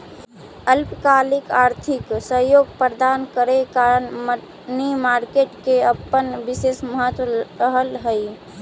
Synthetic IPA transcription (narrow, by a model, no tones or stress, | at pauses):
əlpkalikaɾt̪ʰiksəɦjoɡpɾəd̪ankəɾekaɾənm | nimaɾkeʈkeəpːənʋisesməɦət̪wəɾəɦəlɦəj